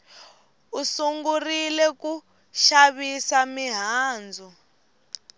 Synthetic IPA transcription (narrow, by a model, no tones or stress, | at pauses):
usuŋɡurilɛku | ʃaβisamiɦaːnd͡zʱu